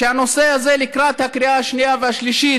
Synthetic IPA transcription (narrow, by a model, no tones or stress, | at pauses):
eanoseazelikɾat̪hakɾiʔaaʃniaveaʃliʃi